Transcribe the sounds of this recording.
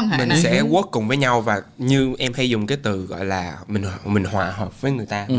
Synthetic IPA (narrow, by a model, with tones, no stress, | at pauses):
mï˨˩ŋsɛ̰˧˥ku˦˥ət̚kʊ˨˩ŋ͡mvəː˨˦jɲa˧wvaː˨˩ɲɨ˧ʔɛ˧mha˧jzʊ˨˩ŋ͡mkaː˨˦jt̪ɨ˨˩ɣɔ̰˧˨jlaː˨˩mï˨˩ŋmï˨˩ŋ̟hwaː˨˩ɦəː˨˩p̚vəː˨˦jŋɨ˨˩əjt̪aː˧